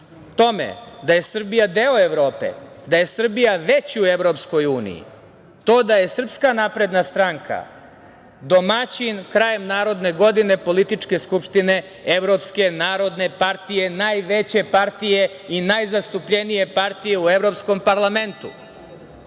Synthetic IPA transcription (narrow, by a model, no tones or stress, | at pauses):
t̪o̞mḛd̪aje̞sr̩bijad̪eoeʋɾo̞ːpḛd̪aje̞sr̩bijaʋet͡ɕiueʋɾo̞psko̞juːnḭjḭ | t̪o̞ːd̪aje̞sr̩pskanapɾe̞d̪nast̪ɾaŋkʰa̰ | d̪o̞mat͡ɕinkɾaje̞mnaːɾo̞d̪ne̞ɡo̞d̪ine̞po̞lit̪it͡ʂke̞skupʃt̪ine̞ | eʋɾo̞pske̞naːɾo̞d̪ne̞paɾt̪ije̞najʋet͡ɕe̞paɾt̪ije̞ | inajzast̪upʎenije̞paɾt̪ije̞ueʋɾo̞psko̞mpaɾlˠame̞nt̪ṵ